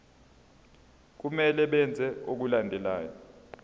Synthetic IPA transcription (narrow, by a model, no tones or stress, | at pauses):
k̬umɛlɛɓɛnd͡zʱɛok̬ulandʱɛlaːjɔ